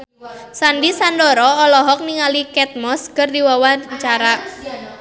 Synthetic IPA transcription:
sandisandɔɾɔːlɔɦɔk̚niŋalikɛt̪̚mɔskɨrdiwawant͡ʃaɾa

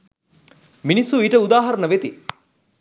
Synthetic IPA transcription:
minisuiʈəud̪aːɦɐɾənəʋet̪ḭ

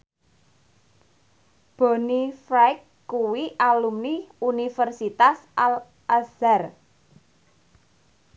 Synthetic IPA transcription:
b̥ɔ̤nifɾakː | uwiʔalumniunifərsit̪asal | ʔasar

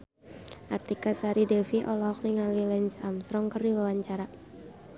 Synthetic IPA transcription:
ʔart̪ikasaɾidɛfiʔɔlɔɔk̚niŋalilɛnsamst̪ɾɔŋkərdiwawaɲt͡ʃaɾa

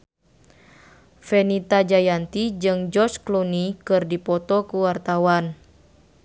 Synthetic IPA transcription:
fenit̪ad͡ʒajant̪id͡ʒɨŋd͡ʒɔrt͡ʃklonikɨrdipɔt̪ɔkuwart̪awan

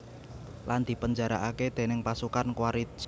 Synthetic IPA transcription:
land̪̥i̤pəɲd͡ʒaɾaʔaked̪̥e̤nɪŋpasukankwaɾi̥

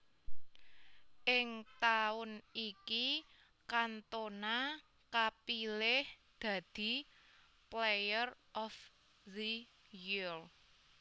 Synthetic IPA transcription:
ʔɪŋt̪aʊniki | kant̪ona | kapilɪh | d̪̥ä̤d̪̥i̤ | plejərʔɔf | ðə | jir

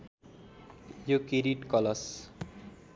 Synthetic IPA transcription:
jokeɾiʈkʌlʌs

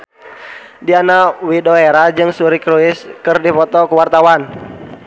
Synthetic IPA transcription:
dianawidoeɾad͡ʒɨŋsuɾikɾuɪskɨrdipɔt̪ɔkuwart̪awan

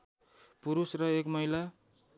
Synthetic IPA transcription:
puɾusrʌekmʌjla

